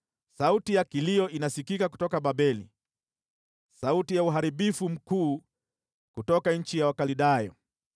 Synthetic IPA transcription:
sautijakiliɔʔinasikikaku̥tɔkaɓaɓɛlḭ | sautijauɦaɾiɓifum̩kuː | kutɔkaɲ̩t͡ʃijawakaliɗajɔ

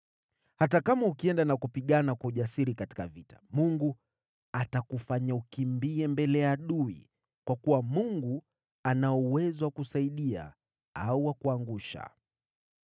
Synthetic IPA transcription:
hatakamaukiɛndanakupiɠanakwauʄasiɾikati̥ka̰vitḁ̰muŋɡu | atakufaɲaukimbiɛmbɛlɛjaɗuḭ | kwakuwamuŋɡu | anaɔuwɛzɔwakusaiɗia̰ | auwakuaŋɡuʃa̰

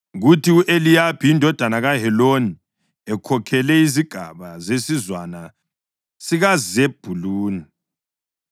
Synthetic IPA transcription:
ɣutʰiuʔelijapʰiindʱɔd̥ʱanaɣaɦɛloni | ɛkʰɔkʰɛlɛiziɡ̥ʱa̰βazesizwana | siɣazeb̥ʱuluːni

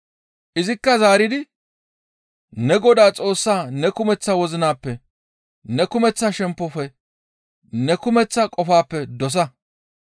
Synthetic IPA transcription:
ʔɪzɪkːɐzaːɾɪd̪ɪ | nɛɡɔd̪aːt͡sʼo̞ːsːaːnɛkʊmɛt͡sːawɔzɪnaːpːɛ | nɛkʊmɛt͡sːɐʃɛmpːɔfɛ | nɛkʊmɛt͡sːɐkʼɔfaːpːɛd̪ɔs̬ɐ

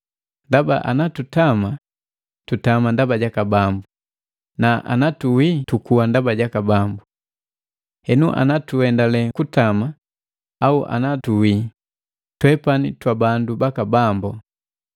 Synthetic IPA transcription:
ndaba̰ʔa̰natutama | tutamandabaɟakabambu | naʔa̰natuwitukuwandabaɟakabambu | hɛnuʔa̰natuɛndalɛkutama | auʔa̰natuwi | twɛpanitwabandubakabambɔ

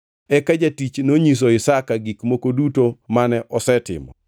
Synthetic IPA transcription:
ɛkad͡ʒatit͡ʃnoɲis̬oɪsakaɡikmokodutomanɛʔɔsɛtɪ̰mɔ̰

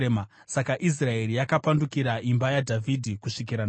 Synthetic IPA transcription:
ma | sakaʔis̬rae̞ɾijakapandukiɾaʔimbajadʱavʱidʱikuʂik̬iɾan

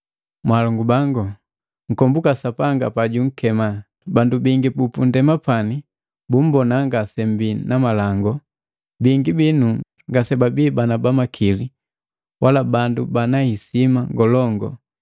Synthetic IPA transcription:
mwalɔŋɡubaŋɡɔ | ŋ̩kɔmbukasapaŋɡapaɟuŋ̩kɛma | bandubiŋɡipupundɛmapani | bum̩bɔnaŋɡasɛmbinamalaŋɡɔ | biŋɡibinu | ŋɡasɛbabiːbanabamakʰili | wʔalabandubanaisimaŋɡɔlɔŋɡɔ̰

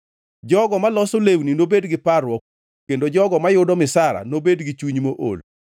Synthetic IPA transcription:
d͡ʒɔɡɔmalɔsolewninobedɡɪparwɔk̚ | kendod͡ʒɔɡɔmajʊdɔmɪsaɾa̰nobedɡɪt͡ʃuɲmoʔo̰l

